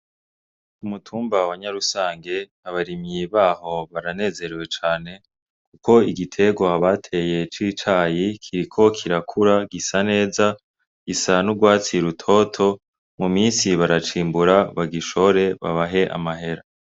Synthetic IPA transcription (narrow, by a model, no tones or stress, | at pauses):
umutʰuːmbawaɲaɾusaːŋɡe̞ | aβaɾimiβaːho̞βaɾane̞ːze̞ɾwe̞t͡ʃaːne̞ | kuko̞iɡitʰe̞ɡwaβatʰe̞je̞t͡ʃiːt͡ʃaːjikʰiɾikʰo̞kʰiɾakʰuɾaɡisane̞ːza | ɡ̥isanuɡwaːt͡siɾutʰo̞tʰo̞ | mumiːnsiβaɾat͡ʃiːmbuɾaβaɡiʃo̞ɾe̞βa̰βaɦe̞ʔa̰maɦe̞ɾa